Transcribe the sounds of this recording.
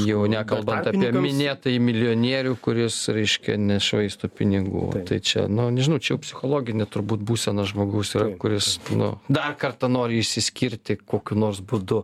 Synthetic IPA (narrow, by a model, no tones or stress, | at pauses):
jɛʊnʲækɐlˠbɐnɑːiɛmʲɪnʲeːt̪ɐjɪmʲɪlʲɪoːnʲiɛɾʲuːkʊɾʲɪsɾʲɛɪʃʲkʲɛ̰nʲɛʃʋɐɪst̪oːpʲɪnʲɪɡṵːt̪ɐɪt͡ʃʲɛ̰nʊnʲɛʒʲɪnɐʊt͡ʃʲɛjɛʊpʲsʲɪxoːlˠoːɡʲɪnʲɛt̪ʊɾbuːt̪buːsʲɛnɐʒmoːɡɐʊsiːɾɐkʊɾʲɪsnʊ̰d̪ɐrkɐrt̪ɐnoːɾʲɪɪʃʲsʲɪsʲkʲiɾʲt̪ʲɪkoːkʲunoːrsbʊd̪ʊ